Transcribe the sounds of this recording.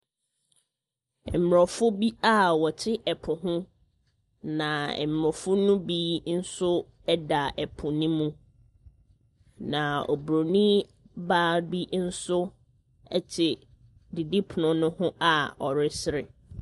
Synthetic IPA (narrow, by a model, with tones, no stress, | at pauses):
m̩˨ɾɔ˨fʊ˦bi˦a˦wɔ˨tʰɪ˦ʔɛ˨pʰʊ˨ɦʊ̃˦ | nã˨ɛ̰˨m̩˨ɾɔ˨fʊ˦nʊ̃˦bi˦n̩˦sʊ˦ | ɛ˦da˨ɛ˨pʰʊ˨nĩ˦mũ˦ | nã˨ɔ˨bɾo˨nĩ˦ | ba˦bi˦n̩˦sʊ˦ | ɛ˦t͡ɕʰɪ˨ | di˨dɪ˦pʰʊ˨nʊ̃˦nʊ̃˦hʊ̃˦ʔa˨ɔ˨ɾɪ˦sɪ˦ɾɪ˨